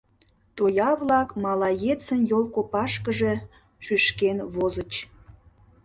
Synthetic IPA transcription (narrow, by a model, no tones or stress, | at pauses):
t̪ojɑβlɑkmɑlɑjet͡sənjolˠkopɑʃkəʒe̽ | ʃyʃkenβozət͡ɕ